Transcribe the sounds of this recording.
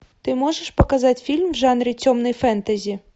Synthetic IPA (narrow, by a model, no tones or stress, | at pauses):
t̪ɪmɔʐɛʃpɔkɐzɑtʲfʲilʲmwʒɑnɾʲit͡sʲɔmnɔjfɛnt̪ɐzʲi